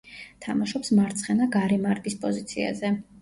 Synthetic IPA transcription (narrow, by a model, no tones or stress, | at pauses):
t̪ʰamaʃɔpsmaɾt̪sʰχɛnaɡaɾɛmaɾɡispʼɔzit̪sʰia̰zɛ